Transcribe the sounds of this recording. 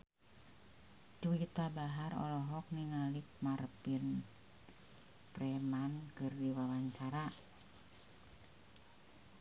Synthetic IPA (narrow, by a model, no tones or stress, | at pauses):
t͡ʃuit̪abaɦarɔ̰lɔɦɔk̚niŋalik̚marpin | prɛmankɨrdiwawaɲt͡ʃaɾa